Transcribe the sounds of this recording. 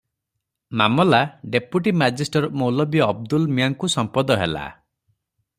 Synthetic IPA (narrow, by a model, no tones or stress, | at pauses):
mamɔlaɖepjuʈimad͡ʒisʈɔɾmowlɔbiɔb̚d̪ulmijaŋkusɔmpɔd̪ɔɦela̰